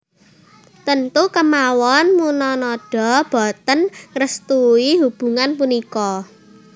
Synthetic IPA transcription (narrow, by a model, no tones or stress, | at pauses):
t̪ənt̪ukəmawɔnmunɔnɔɖ̥ɔ̤b̥ɔ̤t̪ənɾəst̪uiɦub̥ṳŋanpunikɔ